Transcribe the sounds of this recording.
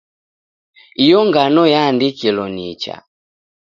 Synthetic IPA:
ijɔŋɡanɔjaːndikilɔniːt͡ʃa̰

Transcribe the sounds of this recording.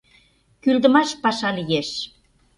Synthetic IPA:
kyld̪ə̆mɑʃpɑʃɑlijeʃ

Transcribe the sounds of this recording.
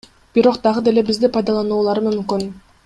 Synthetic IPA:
b̥iɾo̞qd̪ɑʁɯd̪e̞le̞bizd̪ipɑjd̪ɑlˠɑnuːlˠɑɾmymkyn

